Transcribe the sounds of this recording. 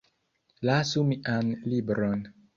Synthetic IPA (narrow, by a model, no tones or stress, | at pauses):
lasumiʔanlibɾon